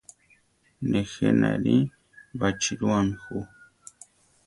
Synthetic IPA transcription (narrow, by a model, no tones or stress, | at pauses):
nexena̰ɾi | bat͡ʃiɾuamixu